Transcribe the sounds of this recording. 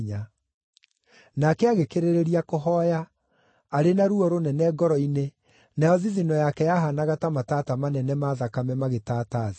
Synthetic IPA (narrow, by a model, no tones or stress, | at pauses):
ɲa | nakɛaɣekeɾeɾeɾiakoɦɔjaː | ɾenaɾuɔɾonɛnɛɡɔɾɔine | najɔðiðinɔjakɛjaɦanaɣatamatatamanɛnɛmaðakamɛmaɣetaːtaði